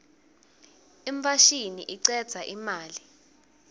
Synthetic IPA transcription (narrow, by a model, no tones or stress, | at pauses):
iɱpʰaʃinḭʔiǀɛd̥z̥ʱaʔimaːli